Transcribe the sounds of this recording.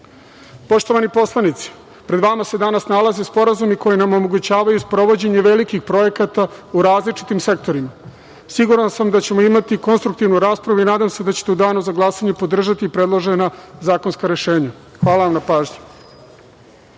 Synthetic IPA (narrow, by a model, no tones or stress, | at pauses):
po̞ʂt̪oʋanipo̞slˠanit̪si̥ | pɾed̪ʋamase̞d̪anasnalˠazespo̞ɾazumiko̞jinamo̞mo̞ɡut͡ɕaːʋajuspɾo̞ʋo̞d͡ʑe̞ɲe̞ʋe̞likixpɾo̞je̞kat̪auɾaːzlit͡ʂi̥t̪imse̞k̚t̪o̞ɾima | siɡuɾansamd̪at͡ɕe̞mo̞imat̪iko̞nst̪ɾuk̚t̪iʋnuɾaːspɾaʋuinaːd̪amse̞d̪at͡ɕet̪eud̪aːnuzaɡlˠasaɲepo̞d̪r̩ʒat̪iːpɾe̞d̪lˠoʒenazaːko̞nskaɾe̞ʃe̞ːɲa | xʋaːlaʋamnapaːʒɲḁ